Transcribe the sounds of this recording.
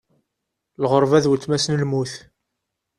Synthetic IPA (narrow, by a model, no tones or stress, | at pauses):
lʁəɾˤvæðwət͡s̪ːmæsnəlmuθ